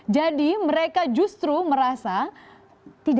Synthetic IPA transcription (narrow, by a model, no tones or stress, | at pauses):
d͡ʒadiməɾekad͡ʒust̪ɾuməɾasa | t̪id